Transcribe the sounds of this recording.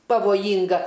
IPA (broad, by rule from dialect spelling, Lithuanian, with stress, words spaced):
pɐʋoːˈjiːŋɡɐ